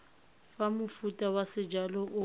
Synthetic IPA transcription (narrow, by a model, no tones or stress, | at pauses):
famʊfutʼawasɪd͡ʒalɔʔʊ